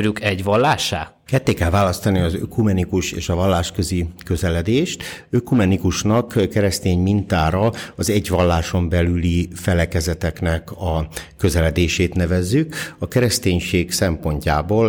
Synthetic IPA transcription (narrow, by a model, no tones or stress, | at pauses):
ɾukɛɟʋɒlːaːʃaː | kɛt̪ːeːkɛlvaːlɒst̪ɒniɒzø̰kumɛnikuʃeːʃɒvɒlːaːʃkø̞zikø̞zɛlɛd̪eːʃt̪økumɛnikuʃnɒkkɛɾɛst̪eːɲmint̪aːɾɒɒzɛɟʋɒlːaːʃombɛlylifɛlɛkɛzɛt̪ɛknɛkɒkø̞zɛlɛd̪eːʃeːt̪nɛvɛzːykɒkɛɾɛst̪eːɲʃeːksɛmpo̞ɲca̰ːboːl